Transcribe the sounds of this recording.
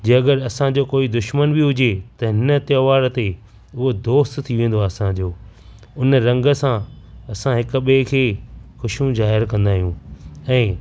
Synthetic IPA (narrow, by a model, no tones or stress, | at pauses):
d͡ʑeːɐɡəɾɐsãd͡ʑoːkoːid̪ʊʃmənbiɦʊd͡ʑet̪ɐɦɪnə̆t̪joːʋaːɾt̪e | ʊɦod̪oːst̪t̪ʰiʋẽːn̆d̪oaːɐsãd͡ʑoː | ʊnɾɐ̃ŋɡə̆sãɐsãɦɪk̆ɓekʰeːxʊʃũzaːɦɪɾkɐ̃nd̪aːɦijũɛ̃ː